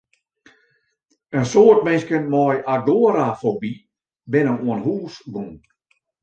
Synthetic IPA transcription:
ənsoətmɪnskənmɔjʔadoəɾafobi | bɪnəmuənhuːsɡuŋ

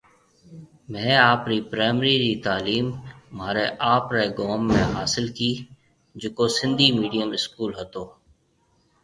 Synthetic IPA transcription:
mẽːaːpɾiːpɾaːɪmɾiːɾiːt̪aːliːmːaːɾeːʔaːpɾeːɡoːmːẽːɦaːsɪlkiː | d͡ʒʊkoːsɪ̃nd̪ʱiːmiːɖijəmɪskuːlɦət̪oː

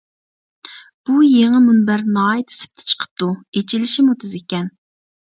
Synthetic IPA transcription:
b̥ujeŋɨmunbæɾnɑːit̪ʰɪ̥sɪ̥p̚t̪ʰɪ̥t͡ʃʰə̥qʰə̥p̚t̪uet͡ʃʰilɪʃimut̪ʰɨzekʲɛn

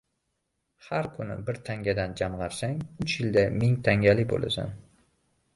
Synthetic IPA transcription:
haɾkʰʊnɪ̰bɪɾt̪ʰaŋɡʲad̪and͡ʒamʁɑɾsaŋʊt͡ʃjɪld̪amɪŋt̪ʰaŋʲalɪbo̰lʔa̰sa̰n

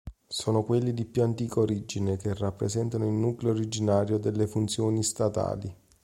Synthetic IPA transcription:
sɔːnokwelːid̪ipjuant̪iːkoɾid͡ʒinekerːapːɾesɛnt̪anoilnuːkleoɾid͡ʒinaːɾjod̪elːefunt̪sjoːnist̪at̪a̰ːli

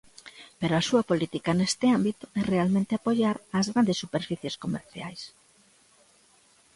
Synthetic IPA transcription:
peɾoasuɐpolit̪ikanest̪ɪambit̪ʊɛrealmẽnt̪ɪapoʎaɾaːzɣɾand̪esːupeɾfiθjeskomeɾθja̰js

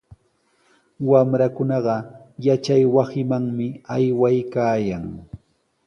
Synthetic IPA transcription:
wamɾakʊnɑɢɑjat͡ʃajwasɪmaŋmɪajwajkaːjaŋ

